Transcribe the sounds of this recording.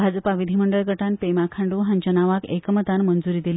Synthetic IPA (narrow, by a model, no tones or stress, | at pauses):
bʱad͡zəpaʋid̪ʱiməɳɖəɭɡʱəʈanpemakʰaɳɖuɦãɲt͡ɕənaʋakḛkəmət̪anmənd͡zuɾiːd̪ili